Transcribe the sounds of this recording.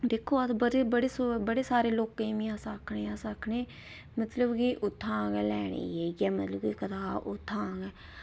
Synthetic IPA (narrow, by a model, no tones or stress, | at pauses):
d̪eːkʰːoːət̪bəɽebəɽeːsbəɽeːsaːɾeːloːkẽːmiãːsaːkʰɳeːãːsaːkʰɳeː | mət̪ləbkiʔʊt̪ʰːãːŋɛːlɛːɽ̃ḛːjeːɡɛːmət̪ləbkikət̪aːʔʊt̪ʰːãːɡɛː